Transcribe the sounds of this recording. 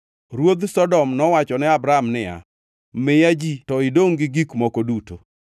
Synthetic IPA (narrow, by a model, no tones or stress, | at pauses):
ɾwod̪sɔdɔmnɔwat͡ʃɔnɛabɾamnɪja̰ | mɪjad͡ʒitɔɪdoŋɡɪɡikmokoduto